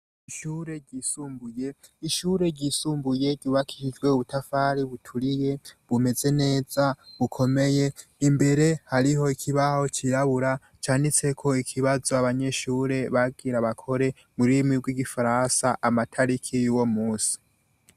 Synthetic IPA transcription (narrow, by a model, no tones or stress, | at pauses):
iʃuːɾe̞ɟisuːmbuje̞ | iʃuːɾe̞ɟisuːmbuje̞ɟɟuːβakʰi̥ʃid͡ʒɡwe̞uβutʰafaːɾiβutʰuɾije̞βume̞ze̞ne̞ːzaβukʰo̞me̞je̞imbe̞ɾe̞haɾiɦo̞ikʰiβaho̞t͡ʃiɾaβuɾa | t͡ʃaːndit͡se̞kʰo̞ikʰiβazo̞aβaɲe̞ʃuːɾe̞βaɡiɾaβakʰo̞ɾe̞ | muɾimiɡwiɡifaɾansaʔamatʰaɾikʰijuwo̞muːsi̥